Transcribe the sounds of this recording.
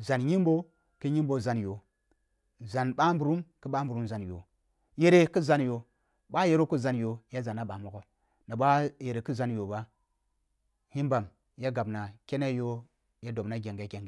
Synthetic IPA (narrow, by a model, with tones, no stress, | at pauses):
za˨nɲi˦mbo˦ | ki˦ɲi˦mbo˦za˨njo˨ | za˨nɓa˦mbu˨ɾu˦mki˦ɓa˦m˦bu˨ɾu˦mza˨njo̰˨ | je˨ɾe˨ki˦za˦njo˨ | ɓa˦je˨ɾo˦ku˦za˨njo˨ja˦za˨na˦ɓa˨mo˨ɡo˦ | na˨ɓa˦je˨ɾe˨ki˦za˨njo˨ba˦ | hi˦mba˨m | ja˦ɡa˨bna˨ke˦ne˦jo˦ | ja˦do˨bna˦ɡʲe˨ŋɡa˨˦ɡʲe˨ŋɡe˨